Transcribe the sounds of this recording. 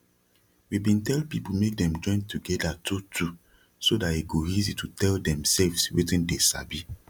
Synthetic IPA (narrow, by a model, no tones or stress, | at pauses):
wibĩntɛlpipumek̚dɛ̃md͡ʒɔ̃ɪ̃ntʰuɡɛdatʰutʰu | sodateɡoizitutʰɛldɛ̃msɛlvswḛtĩndesa̰bi